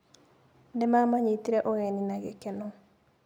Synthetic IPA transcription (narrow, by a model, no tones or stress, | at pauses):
ndɛmamaɲit̪iɾɛʔoɣeninaɡekɛnɔ